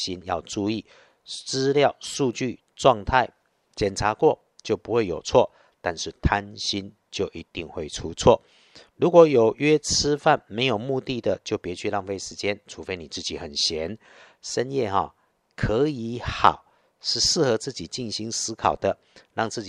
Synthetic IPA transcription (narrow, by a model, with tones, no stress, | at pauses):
ɕi˦njɑ˥˧ʊʈ͡ʂu˥˧i˥˩ | t͡sɹ̩˥ljɑ˥˨ʊʂu˥˧t͡ɕy˥˩ | ʈ͡ʂwɑ˥˧ŋt̪ʰa˥˩ɪ | t͡ɕjɛ˨˩nt͡sʰa˧˥kwɔ˥˨ | t͡ɕjo˥˩ʊpu˧˥xwe˥˩ɪjo˨˩ʊt͡sʰwɔ˥˩ | t̪a˥˧nʂɻ̩˥˩t̪ʰa˦nɕi˦n | t͡ɕjo˥˩ʊʔi˧˥t̪i˥˧ŋxwe˥˩ɪʈ͡ʂʰu˦t͡sʰwɔ˥˩ | lu˧˥kwɔ˧˥jo˨˩ʊɥɛ˥t͡s̩ʰ˥fa˥˨nme˧˥ɪjo˨˩mu˥˧t̪i˥˨d̪ə˨t͡ɕjo˥˩ʊpjɛ˧˥t͡ɕʰy˥˧lɑ˥˧ŋfe˥ɪʂɻ̩˧˥t͡ɕjɛ˦˥nʈ͡ʂʰu˨˩fe˥ɪni˨˩t͡sɹ̩˥˩t͡ɕi˨˩xə˨˩nɕjɛ˨˧˦n | ʂə˦njɛ˥˩xɔ̰˨˩ | kʰə˧˦i˧˦xɑ˨˩˦ʊ | ʂɻ̩˥˧ʂɻ̩˥˩xɤ˧˦t͡sɹ̩˥˩t͡ɕi˨˩t͡ɕi˥˩nɕi˧˥ŋsɹ̩˥kʰɑ˨˩ʊd̪ə˦ | lɑ˥˧ŋt͡sɹ̩˥˩t͡ɕ